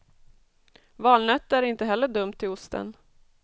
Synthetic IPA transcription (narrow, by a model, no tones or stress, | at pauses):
vɑːlnœt̪ːæɾɪnt̪əɦɛlːəɖɵmt̪ʰːɪlʊst̪ʰə̰n